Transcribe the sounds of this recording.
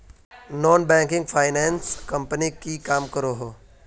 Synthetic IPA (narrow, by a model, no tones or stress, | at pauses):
nɔːnbɛ̃ːŋkɪ̃ŋɡfʰaːɪnɛ̃ːnskɐmpənikikaːmkɐɾoɦoː